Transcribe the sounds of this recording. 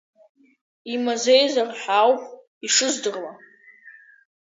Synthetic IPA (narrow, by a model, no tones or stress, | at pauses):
imazejzarħawpʷʼ | iʂɨzdɨrla